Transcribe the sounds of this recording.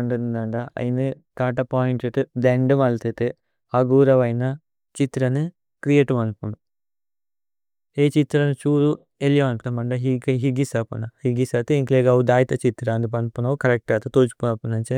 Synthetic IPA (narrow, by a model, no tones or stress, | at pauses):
ɐɳɖund̪ɐɳɖaɐ̰jini | t̪aːʈ̬ɐpaːjiɳʈeʈd̪eɳɖɨmɐlt̪et̪e | ɐɡuːɾɐʋɐjnɐ | t͡ʃit̪ɾɐnɨ | kɾijeʈumɐnpunu | eːt͡ʃit̪ɾɐnut͡ʃuːɾu | elijɐmɐnpuɐmɐɳɖɐɦiɡɦiɡisɐpṵnɐhiɡisɐt̪eiŋkleːɡɐud̪aːjt̪ɐt͡ʃit̪ɾɐnd̪up̬ɐnpunɐukɐɾek̚ʈaːt̪ɐt̪oːt͡ʃu̥punɐpːunɐnt͡ʃe